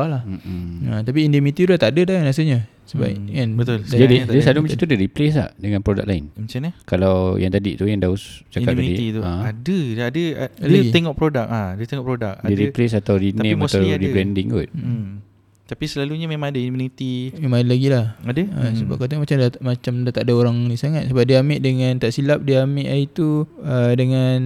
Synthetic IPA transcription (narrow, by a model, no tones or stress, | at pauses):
alah̩ət̪ap̬iːndəmit̪it̪uat̪aʔadədanasəɲa | səba̰anbət̪ʊlad͡ʒadidasadlumə̃at̪udiɾiples̬la̰dəŋanpɾoda̰k̚laɪnmət͡ʃanakalawjaŋt̪adḭt̪ujaŋdaust͡ʃaadadiit̪uaadəadəaadat̪eŋɔʔpɾodak̚adət̪eŋɔʔpɾodak̚adiɾiples̬at̪awɾinẽmat̪awɾibɾɛndiŋṵt̪̚ | t̪apisəlaluɲamẽmãŋadainmunit̪imemãŋadalaɡilahadəəsəba̰p̚kat̪eŋmat͡ʃamdmat͡ʃamdat̪aʔdaoɾaŋnisaŋat̪̚səbap̚diameʔdəŋãnt̪aʔsilap̚diameʔait̪uədəŋan